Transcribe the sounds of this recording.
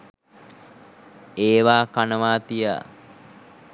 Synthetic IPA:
eːʋaːkanəʋaːt̪ija̰

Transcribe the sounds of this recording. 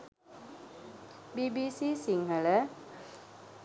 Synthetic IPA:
bibisisiŋɦələ

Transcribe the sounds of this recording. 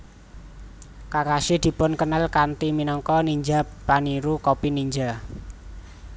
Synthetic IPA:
kakaʃɪd̪̥i̤pʊnkənəlkant̪iminɔŋkɔniɲd͡ʒapaniɾukɔpiniɲd͡ʒa

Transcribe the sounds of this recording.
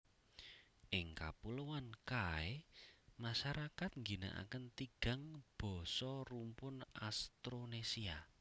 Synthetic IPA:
ʔɪŋka̰puluwankaemaʃaɾakat̪̚ŋɡina̰ʔa̰kənt̪iɡ̥a̤ŋb̥ɔ̤sɔrumpʊnʔast̪ɾonesia

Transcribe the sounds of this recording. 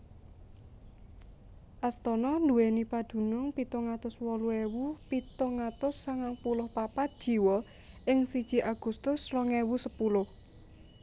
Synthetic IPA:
ʔast̪ɔnɔnd̪uwenipad̪̥ṳnʊŋpit̪ɔŋat̪ʊswɔluewupit̪ɔŋat̪ʊsːaŋaŋpulʊhpapat̪̚d̥ʒ̥i̤wɔ | ʔɪŋsid̥ʒ̥i̤ʔaɡ̥ṳst̪ʊsrɔŋewusəpulʊh

